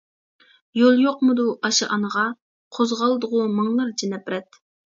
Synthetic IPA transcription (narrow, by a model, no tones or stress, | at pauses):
jolˠjoqmʊd̪uʔɑʃɨʔɑnəʁɑ | qʰozʁɑlˠɨd̪əʁʊmɑŋlˠɑɾd͡ʒenɛpɾɛt̪